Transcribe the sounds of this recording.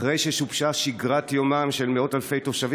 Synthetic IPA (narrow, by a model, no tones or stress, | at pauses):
ʁejʃeʃubʃaʃiɡʁatjomamʃe̞lmeo̞talfe̞jtoʃavi